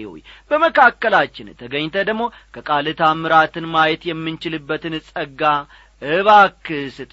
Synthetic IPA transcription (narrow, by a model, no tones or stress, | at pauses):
wo̰jbəməkʰakːəlat͡ʃːɪnt̪ʰəɡəɲt̪ʰəd̪əɡmo̞ | kʰəkʼalɨt̪ʰamɨɾat̪ʰɨnmajɛt̪jɛmːɨnt͡ʃɪlɨbːət̪ɨnsʼəɡːa | ɨβakːɨsɨt̪ʼ